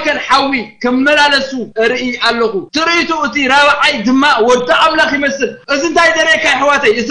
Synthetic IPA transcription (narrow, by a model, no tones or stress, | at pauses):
kɐnħawikʰɐmmɐlalɐsuɨɾɨʔialːɐxut̪ʰɨɾɨʔit̪ʰuɨt̪iɾaβʕajd̪ɨmːawɔɾt̪ʰɐʔamlɐxjɪmɐsɨlʔɨziɨnt̪ʰajd̪ɐɾekʰajħɨwat̪ʰɐjɨt̪